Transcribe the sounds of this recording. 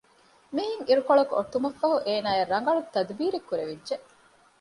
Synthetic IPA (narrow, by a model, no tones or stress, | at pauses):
miːɦiŋiɾukoɭɐkuoʈːumɐfːɐɦuʔeːnaːjeɾːɐŋ̆ɡɐɭut̪ːɐd̪biːɾekːuɾeʋidːd͡ʒeʔ